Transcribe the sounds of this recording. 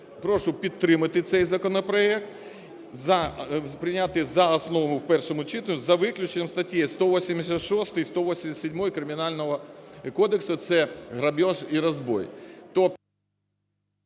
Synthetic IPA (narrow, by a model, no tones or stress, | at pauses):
pɾoʂʊpʲɪt̪ːɾɪmɨt̪ɪt̪sɛjzɐkənɐpɾɐɛk̚t̪ | zɐpɾʲɪnʲat̪ɨjzɐɐsnoʋɐmʊfpɛrʂəmʊt͡ɕit̪ənʲʊzɐʋɪklʲʉt͡ɕɪnʲɐmst̪ɐtʲjest̪oʋosʲɪmʲɪsʲət̪ʂost̪ɨjst̪oʋosʲɪmʲt̪ʲsʲɪdʲmojkɾɪmʲɪnalʲnəʋɐkod̪əksɐt̪sɛɣɾɐbʲoʐiɾɐzbo̰jt̪o